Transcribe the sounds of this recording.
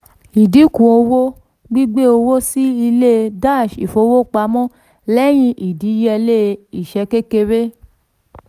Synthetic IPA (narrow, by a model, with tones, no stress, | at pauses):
i˨di˨˦kũ˨o˧wo˦ | ɡ͡bi˦ɡ͡be˦o˧wo˦si˦i˧le˦˧da˦˨ʃi˨fo˧˦wo˦k͡pa˧˦mɔ̃˦ | lɛ˦j̃ĩ˧ʔi˨di˨˦jɛ˧le˦˧i˨ʃɛ˧ke˦ke˧ɾe˦